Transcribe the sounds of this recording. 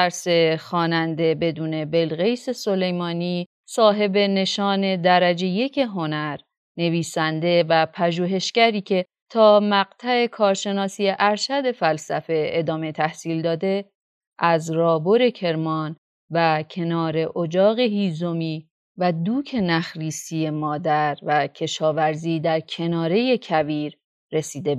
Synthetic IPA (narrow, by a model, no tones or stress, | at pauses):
æɾse̞xɒːnænd̪e̞be̞d̪uːne̞be̞lɣe̞jse̞so̞le̞jmɒːniː | sɒːɦe̞be̞ne̞ʃɒːne̞d̪æɾæd͡ʒe̞je̞cʰeɦo̞næɾ | ne̞viːsænd̪e̞væpʰæʒuːɦe̞ʃɡæɾiːcʰe̞ | t̪ʰɒːmæɡt̪ʰæe̞kʰɒːɾʃe̞nɒːsiːjeʔæɾʃæd̪e̞fælsæfe̞ed̪ɒːme̞t̪ʰæhsiːld̪ɒːd̪e̞ | ʔæzɾɒːboɾe̞cʰe̞ɾmɒːn | væcʰe̞nɒːɾe̞ʔod͡ʒɒːɣe̞hiːzo̞miː | væd̪uːcʰe̞næxɾiːsije̞mɒːd̪æɾvæcʰe̞ʃɒːvæɾziːd̪æɾcʰe̞nɒːɾe̞je̞cʰæviːɾː | e̞siːd̪e̞